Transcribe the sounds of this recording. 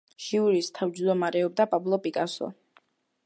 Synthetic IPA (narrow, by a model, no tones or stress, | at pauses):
ʃiuɾist̪ʰavd͡ʒd̪ɔmaɾɛɔb̚d̪apʼablˠɔpʼikʼasɔ̰